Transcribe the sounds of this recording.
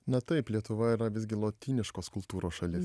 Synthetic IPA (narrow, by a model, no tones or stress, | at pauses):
nɐt̪ɐɪplʲiɛt̪ʊʋɐiːɾɐʋʲɪsʲɡʲɪlˠoːt̪ʲiːnʲɪʃkoːskʊlˠt̪uːɾoːsʃɐlʲɪs